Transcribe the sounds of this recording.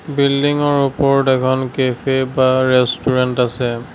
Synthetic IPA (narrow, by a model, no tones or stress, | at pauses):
bildiŋɔɹupɔɹdɛkʰɔnkefʰebaɹɛstuɹɛntasɛ